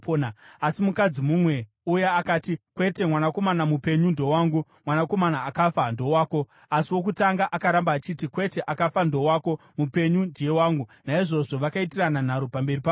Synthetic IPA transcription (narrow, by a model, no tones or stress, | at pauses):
oːnaasimukad͡zimumwe̞ | ujaakaːtikwe̞te̞mwanako̞manamupe̞ɲundo̞waːŋɡumwanako̞manaːkafando̞waːko̞ | asiwo̞k̬utaŋɡaʔakaɾambaːt͡ʃitikwe̞te̞ʔakafando̞waːko̞ | mupe̞ɲundije̞waːŋɡunaiʐo̞ʐo̞ʋakaitiranan̤aɾopambe̞ripa